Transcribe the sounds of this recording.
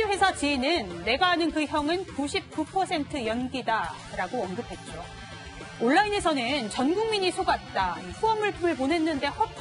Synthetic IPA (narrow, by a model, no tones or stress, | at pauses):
we̞sʰat͡ɕinɯnːe̞ɡaɦanɯnkɯçjʌŋɯnkuɕʰip̚k͈upʰʌsʰe̞ntʰɯjʌnɡida | ɾaɡoʌnɡɯpʰe̞t̚t͡ɕ͈o | oɭːaine̞sʰʌnɯnt͡ɕʌnɡuŋmiɲisʰoɡat̚t͈aiɸʰuʌmɯɭpʰɯmɯɭponɦe̞nːɯnde̞hʌ